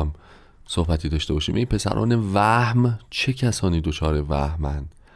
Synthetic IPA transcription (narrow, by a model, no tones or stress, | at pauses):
m | sohbæt̪ʰiːd̪ɒːʃt̪e̞bɒːʃiːmʔenpʰe̞sæ̰ɾʔɒ̰ːnevæhmt͡ʃʰe̞cʰæsɒːniːd̪ot͡ʃʰɒːɾevæhmænd̪̥